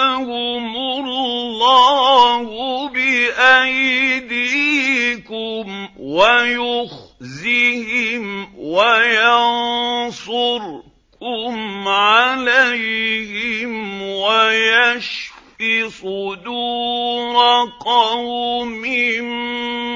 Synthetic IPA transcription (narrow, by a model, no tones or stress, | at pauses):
hʊmʊɾlːɑhʊbɪʔajd̪iːkʊmwajʊxzɪhɪmwajansˤʊɾ | kʊmʕalajhɪmwajaʃfisˤʊd̪uːɾɑqɑhʊmɪn